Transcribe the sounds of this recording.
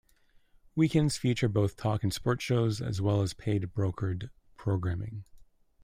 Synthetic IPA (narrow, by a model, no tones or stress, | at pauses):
wikɛ̃ndz̥fʉt͡ʃə˞boʊθtʰɔkn̩spɔɹtʃoʊzɨ̰zwɛlˠəz̥pʰeɪd̚bɹoʊkʰə˞d | pʰɹ̥oʊɡɹæ̃mɪ̰̃ŋ